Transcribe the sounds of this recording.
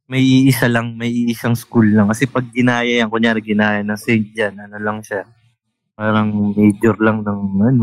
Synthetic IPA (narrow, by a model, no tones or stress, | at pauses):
mɐjʔiːʔɪsalɐŋmɐjiːʔɪsaŋskulnɐŋkɐsɛpɐɡ̚ːɪnaːjɐjaŋkoɲjaːɾɪɡɪnaːjɐnɐŋsɛnt̚d͡ʒanʔɐnolɐŋʃa | paːɾɐŋmɛjd͡ʒoɾlɐŋnɐŋɐno